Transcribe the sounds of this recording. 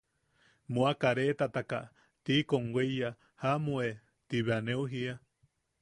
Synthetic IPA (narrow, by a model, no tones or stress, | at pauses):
muakaɾet̪at̪aka̰ | t̪ikoŋweja | hamue | t̪iβeaneuɦia